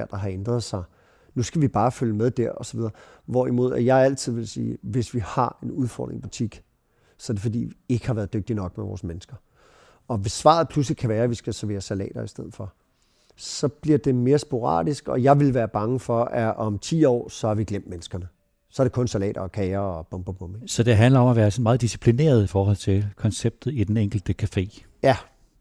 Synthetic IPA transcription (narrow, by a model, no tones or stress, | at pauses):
ɐ̰d̥ɑ̈ɦɑ̈end̥ʁɐð̞ˠsɑ̈ɪ | nusɡ̥æʋib̥ɑ̈ːføljəmeðˠd̥æɐɒ̽sɒ̥ʋið̞ˠɐʋɒimo̝ð̞̰ˠæjɑ̈ɪæl̰t͡sʰið̞̰ˠʋe̝lsḭːʋe̝sʋihɑ̈e̝nuð̞ˠfɒ̰ːd̥ʁḛŋb̥ut͡sʰiɡ̥ | sɒ̽ædefɒ̽d̥ḭːʋie̝ɡ̥ə̥hɑ̈ʋæːɐð̞̩ˠdøɡ̥̚d̥inɒ̽ɡ̥meʋɒ̰ːsmenəsɡ̥ɐ | ɒ̽ʋe̝sːʋɑ̰̈ð̞̩ˠpʰlus̬likʰæʋæːɐʋisɡ̥æsæɐʋe̝ːɐsælɛ̰ːd̥ɐisd̥eð̞̰̩ˠfɒ̽ | sɒ̽b̥liɐ̰d̥e̝me̝ːɐsb̥o̝ʁɑ̰̈ːd̥isɡ̥ɒ̽jɑ̈ɪʋe̝lʋæːɐb̥ɑ̈ŋəfɒ̽ʔæʔɒ̽mt͡sʰḭːɒ̰ːsɒ̽hɑ̈ʋiɡ̥lem̰d̥̚menəsɡ̥ɐnə | sɒ̽æɐɾ̥ekʰɔ̽nsælɛ̰ːɾɐːkʰɛːɐɒ̽b̥ɔ̽mb̥ob̥ɔmesɒ̽d̥e̝ɦænlɐɒ̽mæʋæːɐsɒ̽nmɑ̈ːð̩ˠd̥isi̥pʰline̝̰ːɐð̞̩ˠifɒːɦɒ̽l̰t͡sʰe̝lkʰɒ̽nseb̥̚d̥ð̩ˠid̥eneŋ̰ɡ̥l̩d̥əkʰæfe̝̰ː | jæ